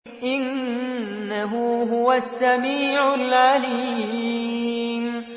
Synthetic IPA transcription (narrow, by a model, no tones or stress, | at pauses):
ʔɪnː | aɦʊɦʊwasːamiːʕʊlʕali | m